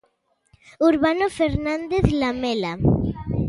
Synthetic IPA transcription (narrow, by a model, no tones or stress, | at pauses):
uɾβanofeɾnãnd̪eθlamela